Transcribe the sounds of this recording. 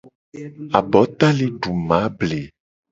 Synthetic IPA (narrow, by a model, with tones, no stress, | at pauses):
a˨bɔ˨˦t̪a˦le˦ɖu˨mã˨˦ble˨